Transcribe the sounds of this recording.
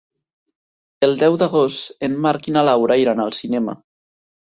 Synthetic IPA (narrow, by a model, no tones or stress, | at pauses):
elˠd̪ɛwd̪aɣost̪emmaɾkinalawɾaiɾanalˠsinɛma̰